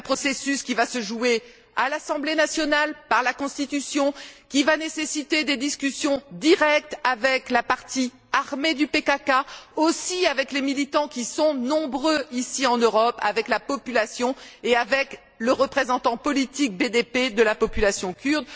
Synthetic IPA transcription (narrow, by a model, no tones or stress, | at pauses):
pχɔsesyskʲivasəʒue | alasɑ̃blenasjɔnalpaʁlakɔ̃st̪it̪ysjɔ̃kʲivanesesit̪ed̪ed̪iskʲysjɔ̃d̪iʁɛk̚t̪avɛklapaʁt̪ʰi | aʁmed̪ypekakaosiavɛklemilit̪ɑ̃kʲisɔ̃nɔ̃bʁøisiɑ̃nøʁɔpa̰vɛklapɔpylasjɔ̃eavɛk | ləʁəpχezɑ̃t̪ɑ̃pɔlit̪ik̚bed̪eped̪əlapɔpylasjɔ̃kʲyʁd̪